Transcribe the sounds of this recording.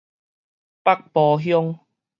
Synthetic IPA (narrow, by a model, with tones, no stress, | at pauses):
pa˦k̚pɔ˧ɦjɔ˦ŋ